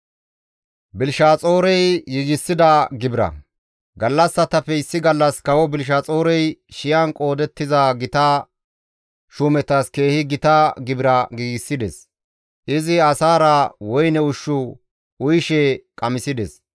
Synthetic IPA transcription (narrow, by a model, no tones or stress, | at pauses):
bɪlʃaːt͡sʼoːɾɛjːɪɡɪsːɪd̪ɐɡɪbɪɾɐ̰ | ɡɐlːɐsːɐt̪ɐfɛɪsːɪɡɐlːɐskɐwɔbɪlʃ̬aːt͡sʼoːɾɛjʃɪjɐnkʼo̞ːd̪ɛt̪ːɪzɐɡɪt̪ɐ | ʃʊmɛt̪ɐske̞ːhɪɡɪt̪ɐɡɪbɪɾɐɡiːɡɪsːɪd̪ɛs | ʔɪzɪɐsaːɾɐwɔjnɛʊʃːʊ | ʊjʃɛkʼɐmɪsɪd̪ɛs